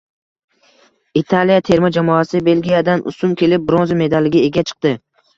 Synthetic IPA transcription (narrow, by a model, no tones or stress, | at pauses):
it̪ʰalijat̪ʰe̞ɾmad͡ʒamɒasɪbe̞lɡʲijad̪anʔʊ̰sʊmkʲʰe̞lɪp̚bɾonzame̞d̪alːɪɡʲɪe̞ɡʲat͡ʃʰɨ̥q̚t̪ɪ